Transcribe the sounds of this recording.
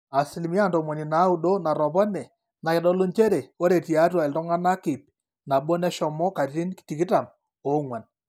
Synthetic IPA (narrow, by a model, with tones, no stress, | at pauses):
a˨si˨lmi˦a˦˨ndɔ˨mwɔ˨ni˨na˨˦u˨ɗo˦na˨ɾɔ˨pɔ˦nɛ˨ | na˨ɛ˨dɔ˦lo˦ɲt͡ʃe˦ɾe˨o˦ɾe˨tja˨˦twa˨ɪ˨ltɔ˦ŋa˦na˦kɪ˨p̚ | na˨ɓo˦nɛ˦ʃɔ˨mɔ˦ka˨ti˦nki̥ti˨ki˦ta˨m | o˨˦ŋwa˨n